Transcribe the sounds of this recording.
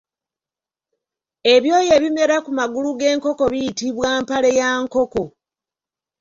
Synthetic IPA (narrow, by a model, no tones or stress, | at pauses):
e̞βjo̞ːje̞βime̞ɾakumaɡuluɡe̞ːŋko̞ko̞βijitiβwaːmpale̞jaːŋko̞ko̞